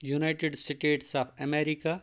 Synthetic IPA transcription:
junaɪʈeɖsiʈeːʈsaːpʰɐmeːɾika

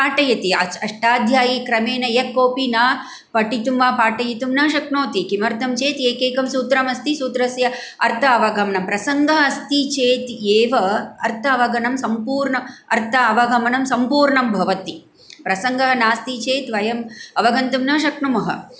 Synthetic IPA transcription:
paːʈɐjɐt̪iɐɐʂʈaːd̪ʱjaːjikɾɐmeːnɐjɐkːoːpinaː | pɐʈit̪umʋaːpaːʈɐjit̪umnɐːʃɐkɳoːt̪ikimɐɾt̪ɐmt͡ʃeːt̪eːkeːkɐmsuːt̪ɾɐmɐst̪isuːt̪ɾɐsjɐ | ɐɾt̪ʰɐɐʋɐɡʱɐmɐɳɐmpɾɐsɐŋɡɐɦɐst̪it͡ʃeːt̪eːʋɐɐ̰ɾt̪ʰɐɐʋɐɡɐnɐmsɐmpuːɾɳɐɐɾt̪ʰɐɐʋɐɡɐmɐnɐmsɐmpuːɾɳɐmbʱɐʋɐt̪i | pɾɐsɐŋɡʱɐɦɐnaːst̪it͡ʃeːt̪ʋɐjɐmɐʋɐɡɐnt̪umnɐʃɐkɳumɐɦɐ̰

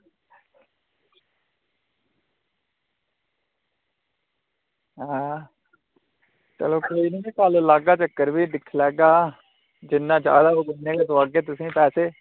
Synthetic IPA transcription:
ɦ | t͡ʃə̰loːkoːiːniːkallaːɡaːt͡ʃəkːəɾʋiːd̪ɪkʰlɛːɡaː | d͡ʒɪnːãːd͡ʒja̰ːd̪aːoɡʊnːeːkeːsʊʋaːɡeːt̪ʊsĩːpɛːseː

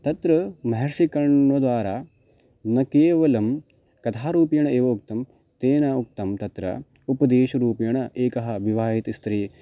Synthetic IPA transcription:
t̪ɐt̪ɾɐmɐɦɐɾsikɐɳnod̪ʋaːɾaː | nɐkeːʋɐlɐm | kɐt̪ʰaːɾuːpjɐɳɐeːʋɐuk̚t̪ɐm | t̪eːnauk̚t̪ɐmt̪ɐt̪ɾɐ̰upɐd̪eːʃɐɾuːpjɐɳɐʔeːkɐɦɐ̆ʋiʋaːɦit̪ist̪ɾiː

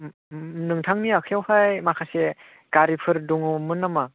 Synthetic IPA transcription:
nɯŋtʰaŋniakʰjawhajmakʰase | ɡ̥aɾipʰɯɾduŋumɯnːama

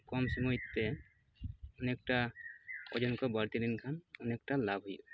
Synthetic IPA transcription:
kɔmsɔmɔjt̪ːɛ | ɔnek̚ʈa | ɔ̰d͡ʒɔnkɔbaɾt̪id̪inkʰanɔnek̚ʈalabʱɦɔjṵ

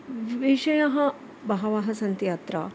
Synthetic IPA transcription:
ʋʋiʃɐjɐɦɐ | bɐɦɐʋaɦɐsɐnt̪jaːt̪ɾa̰

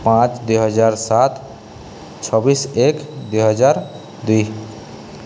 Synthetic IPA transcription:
pãt͡ʃd̪uɦəd͡ʒaɾsat̪ʰ | t͡ʃʰɔbisekd̪eɦəd͡ʒaɾ | d̪uj

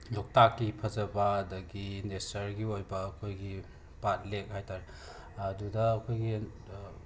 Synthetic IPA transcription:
lok̚takːipʰɐzɐbɐːdɐɡinesɐɾɡiojbɐːkʰojɡi | pat̚lek̚hajtaɾ | ɐdudɐːkʰojɡi

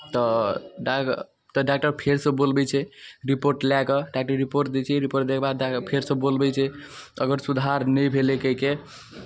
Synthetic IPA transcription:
t̪ɔɖa | t̪ɔɖak̚ʈəɾpʰeɾsə̃bolbɛt͡ʃʰɛɾipoɾʈlakɔɖak̚ʈəɾːipoɾʈd̪ɛt͡ʃʰɛɾipoɾʈd̪ekʰbad̪apʰeɾsə̃bolbɛt͡ʃʰɛəɡəɾsud̪ʱaɾnəjbʱelekəɦike

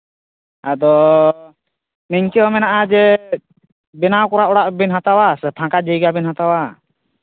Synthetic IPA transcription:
ad̪ɔ | mɛɲkɛɔmɛnaʔad͡ʒɛ | bɛnawkɔɾaʔɔɽaʔbɛnɦat̪awasɛt̪ʰãkad͡ʒəjɡabɛnhãt̪awa

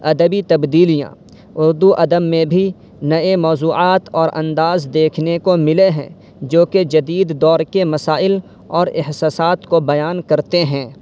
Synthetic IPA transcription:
ɐd̪əbit̪ɐbd̪iːlijã̰ | ʊɾd̪uʔɐd̪əmmẽbʱi | nɐemɔːzuːaːt̪ɔːɾʔɐ̰̃nd̪aːzd̪eːkʰnekomɪleɦɛ̰̃ | d͡ʒoːked͡ʒɐd̪iːd̪ːɔːɾkemɐsaːɪl | ɔːɾɪɦsaːsaːt̪kobɐjaːnkɐɾt̪eɦɛ̃ː

